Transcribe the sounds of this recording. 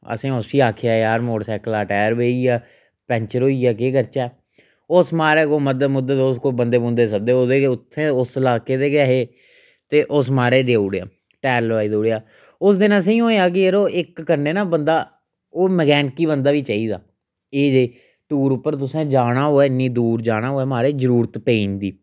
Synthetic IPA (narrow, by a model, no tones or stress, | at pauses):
ə̰sẽːʊsʋiːaːkʰejaːjaːɾmoːɽsɛːkəlaːʈɛːəɾbeːiːaː | pɛ̃ɲt͡ʃəɾoːiːaːk̬eːkəɾt͡ʃaː | ʊsmaːɾeːkoːməd̪əmʊd̪ət̪ʊskoːbənd̪eːbõːnd̪eːsək̚d̪eːoːd̪eːʊt̪ʰːẽːʊsəlaːkeːd̪eːɡaɦeː | t̪eːʔʊs̬maːɾeːd̪eːʊːɽea̰ː | ʈɛːɾlʋaːiːd̪oːɽeaː | ʊsd̪ɪnãːs̬eĩːɦoːejaːk̬ɪeɾoːʔɪkːəɾneːnaːbənd̪aː | oːməɡɛːnkiːbənd̪aːʋiːt͡ʃaːiːd̪a̰ː | eːd͡ʒei | ʈuːɾʊpːəɾt̪̬ʊsẽːd͡ʒaːɽ̃aːɦoːɛːɪnːĩːd̪uːɾd͡ʒaːɽ̃aːɦoːɛːmaːɾeːzəɾuːɾət̪peːnd̪iː